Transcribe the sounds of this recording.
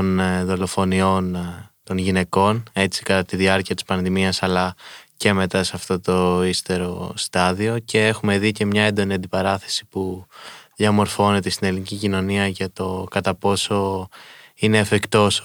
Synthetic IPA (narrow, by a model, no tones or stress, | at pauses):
onðo̞lo̞fo̞nio̞nt̪o̞nʝine̞ko̞ne̞t͡si̥kɐt̪ɐt̪iðiɐɾciɐt̪ispɐnðimiɐsɐlɐce̞me̞t̪ɐseɐft̪o̞t̪o̞ist̪e̞ɾo̞̰st̪ɐðio̞ce̞e̞xume̞ðice̞mɲɐe̞nd̪oniɐnd̪ipɐɾɐθe̞̥si̥puðiɐmo̞ɾfo̞ne̞t̪est̪ine̞linicicino̞niɐʝɐt̪o̞kɐt̪ɐpo̞so̞ | ine̞ːfikt̪o̞s